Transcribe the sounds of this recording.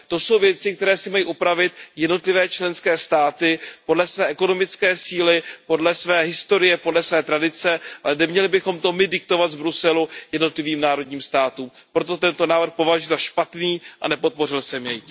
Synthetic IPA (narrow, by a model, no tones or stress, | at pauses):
t̪o̞so̞wvjɛt͡sɪkt̪ɛɾɛːsɪmajiːʔupɾavɪt̪jɛdno̞t̪lɪvɛːt͡ʃlɛnskɛːst̪aːt̪ɪpodlɛsvɛːʔɛko̞no̞mɪt͡skɛːsiːlɪpo̞dlɛsvɛːɦɪst̪o̞ɾɪjɛpo̞dlɛsvɛːt̪ɾadɪt͡sɛʔalɛnɛmɲɛlɪbɪxo̞mt̪o̞mɪdɪk̚t̪o̞vat̪vbɾusɛlujɛdno̞t̪lɪviːmnaːɾo̞dɲiːmst̪aːt̪uːm | pɾo̞t̪o̞t̪ɛnt̪o̞naːvr̩xpo̞vaʒujzaʃpat̪niːʔa̰nɛpo̞t̪̚po̞r̝ɪlsɛmjɛj